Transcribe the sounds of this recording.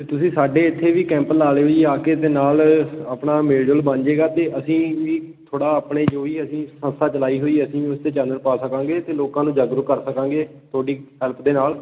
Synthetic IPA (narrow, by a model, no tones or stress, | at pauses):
t̪ʊsĩːsaːɖeːɪt̪ʰːeːʋiːkɛ̃ːmpəlːaːleːɦoːiːaːkeːd̪eːnaːlaːpɳaːmeːɖəlbə̃nd͡ʒeːɡaːt̪eːʔəsĩːʋiːt̪ʰoːɽaːaːpɳeːd͡ʒoːiːəsĩːsə̃nst̪ʰaːt͡ʃəlaːiːɦoːiːəsĩːʊst̪eːt͡ʃãːnd̪ənpaːsəkãːɡeːt̪eːloːkãːnũːd͡ʒaːɡɾəkəɾsəkãːɡeːt̪ʰoːɖiːɦɛlpʰd̪eːnaːl